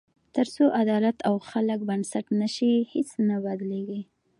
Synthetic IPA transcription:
t̪əɾsoʔad̪ɑlat̪ʰawxalək̚bansaʈnaʃihet͡snabad̪leɡi

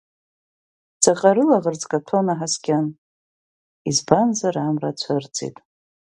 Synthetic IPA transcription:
d͡zʰʼaqʼaɾɨlaʁərt͡sʼkʼatʰonaħaskʲʼan | izbanzaɾamrat͡ɕʷʰart͡sʰʼḭtʼ

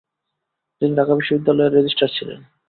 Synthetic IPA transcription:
t̪iniɖʱakabiʃːobid̪ːalɔeɾːed͡ʑisʈaɾt͡ɕʰilḛn

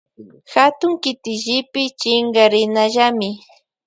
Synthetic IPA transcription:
xat̪ʊŋkɪt̪ɪʒɪpɪt͡ʃɪŋɡaɾɪnaʒamɪ

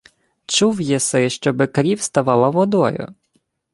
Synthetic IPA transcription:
t͡ʃuwjɛsɛʃt͡ʃɔbɪkɾʲiwst̪aʋɑlˠɐʋɔd̪ɔ̰jʊ̰

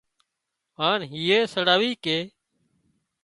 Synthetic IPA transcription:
aːnɦiːeːsəɽaːʋiːkeː

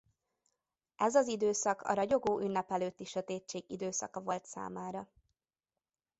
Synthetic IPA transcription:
ɛzɒzid̪øːsɒkɒ̰ɾɒɟo̞ɡoːʔynːɛpɛløːt̪ːiʃøt̪eːt͡ʃːeːɡḭd̪øːsɒ̰kɒvo̞lt̪sa̰ːmaːɾɒ

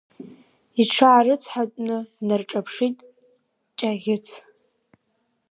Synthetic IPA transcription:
iʈ͡ʂʰaːrɨt͡sʰħatʷʼnɨnarʈ͡ʂʼapʰʂitʼ | t͡ʃʼaɣʲɪt͡sʰ

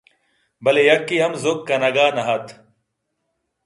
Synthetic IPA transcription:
bɐlejɐkːiɐmzokːɐnɐɡaːnɐɦɐt̪ʰ

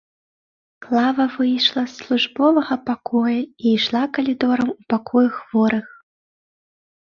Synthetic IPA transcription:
klˠavɐvɨjʂlˠɐsːlˠuʐbɔvɐɣɐpakɔjɐijʂlˠakɐlʲid̪ɔɾɐmupakɔjuxvɔɾɨx

